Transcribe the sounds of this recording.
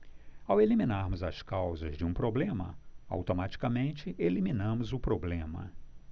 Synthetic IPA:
aweliminaɾmʊzɐskawzɐzd͡ʒɪũpɾoblẽmɐ̰a̰wt̪omat͡ʃi̥kɐmẽnt͡ʃɪʔeliminɐ̃mʊzʊpɾoblẽmɐ̰

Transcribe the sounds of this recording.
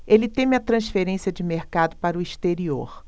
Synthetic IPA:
elɪt̪ẽmɐt̪ɾɐ̃sfeɾẽsiɐd͡ʒɪmeɾkad̪ʊpaɾʊist̪eɾioɾ

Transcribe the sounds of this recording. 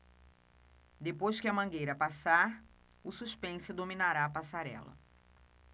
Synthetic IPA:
d̪epojskɪɐmɐ̃ŋɡejɾɐpasaɾ | ʊsuspẽsʊd̪ominaɾaːpasaɾɛ̰lɐ̰

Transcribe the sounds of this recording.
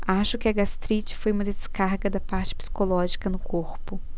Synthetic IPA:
aʃʊkɪɐɡast̪ɾit͡ʃɪ̥fojũmɐd̪ɐskaɾɡɐd̪ɐpaɾt͡ʃɪ̥psi̥kolɔʒikɐnʊkʰoɾpʊ

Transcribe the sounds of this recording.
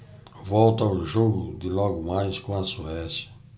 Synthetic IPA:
vɔwt̪ɐʊʒoɡʊd̪ɪlɔɡʊmajskõɐsuɛsjɐ̥

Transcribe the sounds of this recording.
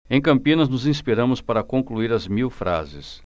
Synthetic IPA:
ẽj̃kɐ̃mpĩnɐznʊzĩspiɾɐ̃mʊspaɾɐkõŋkluiɾɐzmiwfɾʔa̰zɪ̰s

